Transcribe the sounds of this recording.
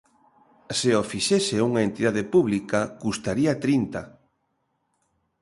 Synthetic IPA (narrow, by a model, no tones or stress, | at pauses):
seofiʃesɪuŋaent̪iðaðepuβlikakust̪aɾiat̪ɾint̪a